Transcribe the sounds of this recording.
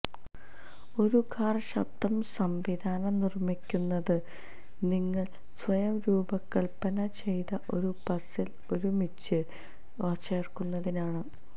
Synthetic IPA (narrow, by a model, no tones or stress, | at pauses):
o̞ɾukʰaːrɕɐ̰b̚d̪ɐmsɐmʋid̪ʱaːnɐnirmikʲːunːɐðɨ | niŋːɐɭ | sʋɐjɐmɾuːbɐkːɐɭpːɐnɐt͡ɕe̞jt̪ɐʔo̞ɾupɐsil | o̞ɾumit͡ɕːɨ | ɐːt͡ɕːerkunːɐðinaːɳɨ